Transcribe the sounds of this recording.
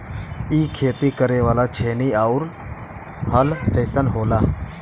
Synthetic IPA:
iːkʰeːt̪iːkəɾeːʋaːlaːt͡ʃʰeːniːaʊɾ | həlt͡ʃəɪsənɦoːlaː

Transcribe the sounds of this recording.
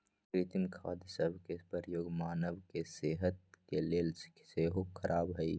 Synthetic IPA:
pɾiːt̪ɪmkʰaːd̪səbʱkepəɾjoːɡmaːnəʋkeseːɦət̪̚keleːls | seːɦokʰːɐɾʔaːbɦɐi

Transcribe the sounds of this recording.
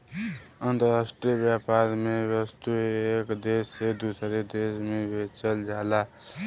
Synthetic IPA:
ʌnt̪ʌɾasʈɾijʌbjapaɾmebʌst̪uekd̪esed̪usʌɾed̪esmebʱet͡sʌld͡zʱala

